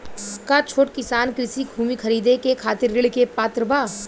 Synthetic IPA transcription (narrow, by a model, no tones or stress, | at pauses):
kat͡ʃʰoːʈkɪsaːnkɾɪsibʱuːmikʰɐɾiːd̪ekekʰaːt̪ɪɾːɪɭkepaːt̪ɾəbaː